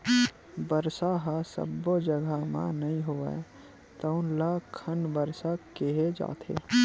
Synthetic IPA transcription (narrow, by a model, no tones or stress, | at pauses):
bəɾsaɦasə̰bːod͡ʒəɡʱamã̰nɐɦĩɦoːə̰e | t̪əʊ̃nlakʰənbəɾsakeɦed͡ʒa̰ːt̪ʰḛː